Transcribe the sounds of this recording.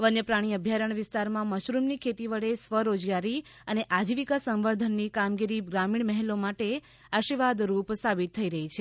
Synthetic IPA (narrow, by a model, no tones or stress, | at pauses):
ʋənjəpɾaɽ̃iəbʱjaɾəɳ̃ʋɪst̪aɾmãməʃɾumnikʰet̪iʋəɽesʋəɾod͡ʒɡaɾi | əneʔad͡ʒiʋikasə̃mʋəɾd̪ʱənːikamɡiɾiɡɾamiɳməɦɛlomaʈe | aʃiɾʋad̪ɾupsabit̪ʰːəiɾəɦit͡ʃʰe